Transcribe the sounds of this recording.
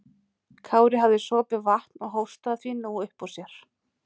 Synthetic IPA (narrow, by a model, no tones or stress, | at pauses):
kʰaːwɾɪɦavðɪsɔːpɪvaht̪nɔɣɦoːwst̪aθvinuʏhpɔsjɛɾ̥